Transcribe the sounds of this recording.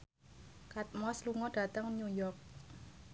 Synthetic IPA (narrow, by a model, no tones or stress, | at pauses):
kat̪̚mɔsluŋɔd̥a̤t̪əŋnujɔrk̚